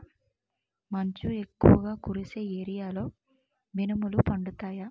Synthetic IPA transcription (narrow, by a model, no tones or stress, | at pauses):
mɐɲt͡ʃue̞kːuʋɐɡaːkuɾise̞ːeːɾijaːlo̞ː | binɐmulupɐɳɖut̪aːja